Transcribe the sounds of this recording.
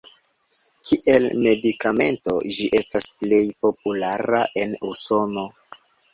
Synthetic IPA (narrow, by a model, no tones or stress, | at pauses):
kʰiʔelme̞dikame̞̰nto̞d͡ʒiʔe̞stasple̞jpo̞p̚ulaɾaʔe̞nuso̞no̞